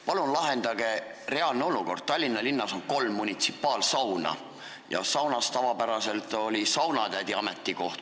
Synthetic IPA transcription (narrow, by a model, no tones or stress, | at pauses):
pɑlunlɑɦe̞nd̪̥ɑɡ̥e̞ | re̞ɑlneo̞luko̞rd̪̥̚t̪ɑlʲːinːɑlinːɑso̞nko̞lmːunʲit̪sipːˑɑːlsɑwnɑ̰ | jɑ̰sɑwnɑst̪ɑvɑpæɾɑse̞lt̪o̞lʲisɑwnɑt̪æd̪iɑme̞t̪ʲːˑiko̞ht̪